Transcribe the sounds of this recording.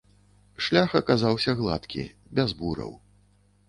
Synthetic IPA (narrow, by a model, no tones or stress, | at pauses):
ʂlʲaxɐkazawsʲɐɣlˠa̰t̪kʲḭ | bʲazbuɾɐ̰w